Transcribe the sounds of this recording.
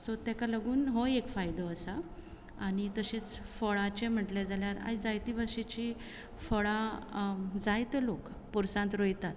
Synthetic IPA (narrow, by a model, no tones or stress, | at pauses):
sɔt̪ːɛkaləɡuːnɦojekfajd̪əːsa | aɽ̃it̪əɕet͡sfɔɭãt͡ɕem̤əʈled͡zaljaɾa̰jd͡zajt̪ibaʂit͡ɕi | fɔɭa | d͡zajt̪əlok | puɾsãnt̪ɾojt̪at̪